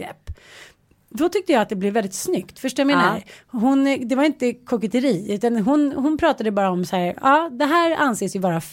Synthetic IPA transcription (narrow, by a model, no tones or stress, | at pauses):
ɾɛ̰pː | d̪ɔt̪ʰʏk̚t̪əjɑːat̪̚d̪ɛblɪvɛld̪ɪt̪snʏkt̪fœʂʈojameːnaɦʊnd̪ɛvaɾɪnt̪əkʰɔkɛt̪əɾiːʉ̟ːt̪anɦʊnɦʊnpʰɾɑːt̪ad̪əbɑːɾaɔmsæːɾɑːd̪ɛɦæːɾa̰nseːsjɵbɑːɾa